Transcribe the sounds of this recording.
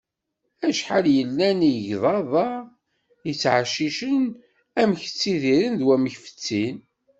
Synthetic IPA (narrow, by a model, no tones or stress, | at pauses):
æʃħaljəlːæniʝðˤɑðˤɑ | jət͡sːʕaʃiʃən | æmç̥t͡sːiðiɾənðwæməçfə̥t͡sːin